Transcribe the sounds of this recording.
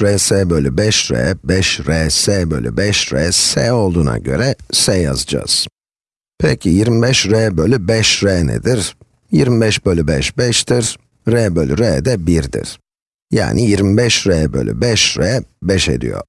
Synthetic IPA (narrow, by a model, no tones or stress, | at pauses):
ɾɛsɛːbølʲybɛʃɾɛ̰bɛʃɾɛsɛːbø̰lʲy̰bɛʃɾɛːsɛo̞lˠd̪uːna̰ɟø̞̰ɾɛsɛja̰zd͡ʒa̰ːz̥ | pʰɛ̰cʰijiɾmibɛʃɾɛːbølʲybɛʃɾɛːnɛ̰d̪iɾ̥ | jiɾmibɛʃbølʲybɛʃbɛʃt̪ʰiɾ | ɾɛːbølʲyɾɛːd̪ɛbiɾd̪ḭɾ̥ | ja̰ːnʔijiɾmibɛʃɾɛːbø̰lʲy̰bɛʃɾɛbɛʃḛd̪ḭjo̰̥